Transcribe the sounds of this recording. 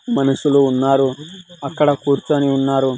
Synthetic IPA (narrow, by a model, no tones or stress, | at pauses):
mɐnuʂuluːnːaːɾuɐkːɐɽɐkuːɾt͡ʃuɐniunːaːɾu